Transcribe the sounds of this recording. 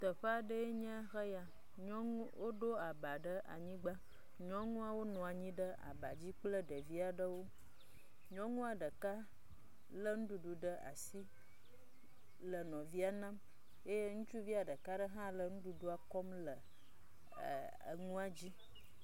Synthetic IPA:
t̪ə˨ɸə˦a˨ɖə˦je˦ɲə̃˦xə˦ja˨ | ɲɔ̃˦ŋũ˦wʔo˦ɖo˦a˨ba˨ɖə˦ʔa̰˨ɲĩ˦ɡ͡ba˦ | ɲɔ̃˦ŋũ˦a˨wo˦nɔ̃˨a˨ɲĩ˦ɖə˦a̰˨ba˨d͡ʑi˦k͡plə˦ɖə˨vi˦a˨ɖə˦wo˦ | ɲɔ̃˦ŋũ˦a˨ɖə˨ka˦ | lə˦ŋũ˦ɖu˨ɖu˨ɖə˦ʔa̰˨si˦ | lə˨nɔ̃˨vi˦a˦nã˦m | e˦je˦ŋũ˦t͡ʃu˦vi˦a˨ɖə˨ka˦ɖə˦ɦã˦lə˨ŋũ˦ɖu˨ɖu˦a˨kɔ˦mlə˨ | ə̰˨ŋũ˦a˨d͡ʑi˦

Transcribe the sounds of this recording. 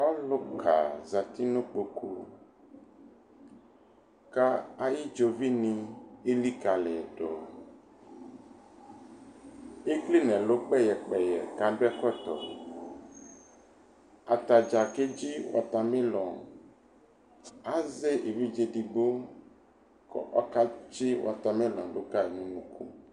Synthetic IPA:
ɔ˦lo˦kʰa̰˨za˨t̪i˦nõ˦k͡po˨kʰu˦ | ka˦a˨ji˦d͡ʒo˨vi˦nĩ˦e˦li˦ka˨lɛ˨ɖɔ˨ | e˦kli˦nɛ̃˨lo˦k͡pɛ˦jɛ˨k͡pɛ˨jɛ˨ka˨ɖo˦ɛ˦kɔ˦t̪ɔ̰˨ | a˨t̪a˨d͡ʒa˨ke˦d͡ʒi˦wa̰˨t̪a˨mẽ˦lɔ̃˨ | a˦ze˦ʔe˨vi˦d͡ʒe˨ɖi˨ɡ͡bo˦ | kɔ̰˨ʔɔ̰˦ka˦d͡ʒi˦wʔa̰˨t̪a˨mẽ˦lɔ̰̃˨lo˦ka˦e˨nũ˦nũ˦kṵ˦

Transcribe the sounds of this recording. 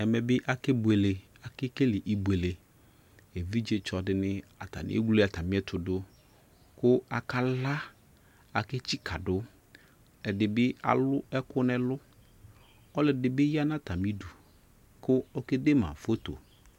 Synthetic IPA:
ɛ˨mɛ˨bɪ˦ʔa˨kɪ˦bu˨e˨le˨ | a˨kɪ˦ke˦lɪ˨ʔi˨bu˨e˨le˨ | e˨vi˦d͡ʒe˦t͡ʃɔ˨dɪ˨nɪ˦a̰˨t̪a̰˨nɪ̰˨˦ḛ˦ɡe˦a˨t̪a˨mɪ̃˨˦ɛ˦t̪ʊ˨dʊ˦ | kʊ˦a˨ka˦la˦ | a˨kɪ˦t͡ɕi˦kʰa˨dʊ˦ | ɛ˨dɪ˨bɪ˦a̰˨lʊ˦ɛ˦kʊ˦nɛ̃˨lʊ˦ | ɔ˦lɪ˨dɪ˨bɪ˦ja˦nã˦t̪a˨mi˦du˨ | kʊ˦ɔ˦ke˦de˦mã̰˨fo˦t̪o̰˨

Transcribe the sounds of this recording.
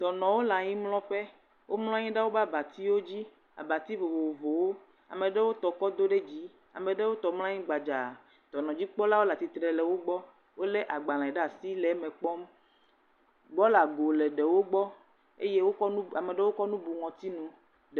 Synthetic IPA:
t̪ɔ˨nɔ̃˨wo˦la˨ɲĩ˦mlɔ̃˦ɸɛ˦ | wo˦mlɔ̃˦ɲĩ˦ɖa˦wo˦ba˦ba˨t̪i˦wo˦d͡ʑi˦ | a̰˨ba˨t̪i˦vo˨bo˨wo˨vo˨wo˦ | a̰˨mẽ˨ɖe˦wo˦t̪ɔ˨kɔ˦d̪o˦ɖe˦d͡ʑi˦ | a̰˨mẽ˨ɖe˦wo˦t̪ɔ˨ml̃ã˦ɲĩ˦ɡ͡ba˨d͡ʒa˨ | t̪ɔ˨nɔ̃˨d͡ʑi˦k͡pɔ˦la˦wo˦la˨t̪i˨t̪ɾɛ˨lɛ˨wo˦ɡ͡bɔ˦ | wo˦le˦ʔa˨ɡ͡ba˨lã˨ɛ˨ɖa˦˨si˦lɛ˨˦mɛ̃˨k͡pɔ˦m | ɡ͡bɔ˦la˨ɡo˨lɛ˨ɖɛ˨wo˦ɡ͡bɔ˦ | ḛ˦je˦wo˦a˨me˨ɖe˦wo˦kɔ˦nũ˦bu˨ŋɔ̃˨t̪i˦nũ˨

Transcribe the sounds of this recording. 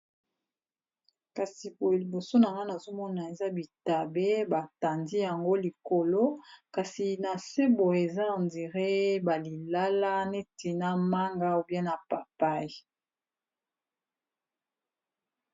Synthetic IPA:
ka˨si˨po˨li˨bo˨so˦na˨ŋa˦na˨zo˦mɔ˦na˨e˨za˦bi˨ta˨be˦ba˨ta˨ndi˦ja˨ŋɡo˦li˨ko˨lo˦ka˨si˨na˨se˦bo˨e˨za˦˨ndi˨ʁe˦ba˨li˨la˦la˦ne˦ti˨na˦ma˦ŋɡa˦o˨bjɛ˦na˨pa˨pa˦i˨

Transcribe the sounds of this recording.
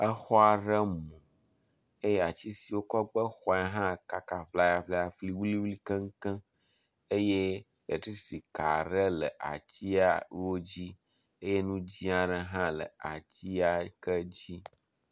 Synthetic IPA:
ə˦xɔ˦a˨ɖə˦mũ˨ | e˦jɛ˦a˨t͡ɕi˦si˨wo˦kɔ˦ɡ͡bə˦xɔ˨˦a˦ɦã˦ka˦ka˨ɸla˦ja˨ɸle˦a˨fli˦wli˦wli˦kə˦ŋ̩˦kə̃˦ | e˦je˦ | e˨tɾi˦si˨ka˨ɖə˦lə̰˨ʔa̰˨t͡ɕi˦a˦wo˦d͡ʑi˦ | e˦je˦nũ˦d͡ʑi˦a˨ɖə˦ɦã˦lə̰˨a˨t͡ɕi˦a˦kə˦d͡ʑi˦

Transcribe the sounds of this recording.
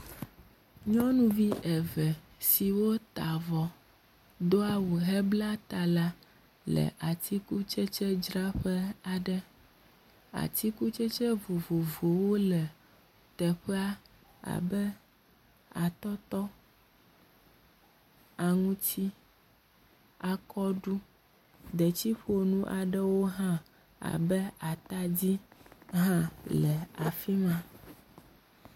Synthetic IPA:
ɲɔ̃˦nũ˦vi˦ʔɛ˨vɛ˨si˨wo˦t̪a˨vɔ˨ | d̪o˦a˦wu˨ɦɛ˦bla˦t̪a˨la˦ | lɛ̰˨ʔa˨t̪ʰi˦ku˦t͡ʃɛ˦t͡ʃɛ˦d͡ʒɾa˦ɸɛ˦a˨ɖɛ˦ | a̰˨t̪i˦ku˦t͡ʃɛ˦t͡ʃɛ˦vo˨vo˨vo˨wo˦lɛ˨ | t̪ɛ˨ɸɛ˦a˦ | a̰˨bɛ˦ | a˨t̪ɔ˦t̪ɔ˦ | a˨ŋũ˦t͡ɕi˦ | a˨kɔ˦ɖu˦ | d̪ɛ˨t͡ɕi˦ɸu˦o˦nũ˦ʔa˨ɖɛ˦wo˦ɦã˦ | a̰˨bɛ˦a˨t̪a˦d͡ʑi˦ɦã˦lɛ˨a˨fi˦mã˦

